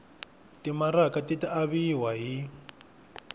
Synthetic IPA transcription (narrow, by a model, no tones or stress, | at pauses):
timaɾakatitiaβiɦwaɦi